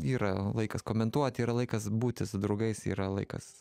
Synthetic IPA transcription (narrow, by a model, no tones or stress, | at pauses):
iːɾɐlˠɐɪkɐskoːmʲɛnt̪uɔt̪ʲiːɾɐlˠɐɪkɐsbuːt̪ʲɪsʊd̪ɾɐʊɡɐɪsḭːɾɐlˠɐ̰ɪkɐ̰s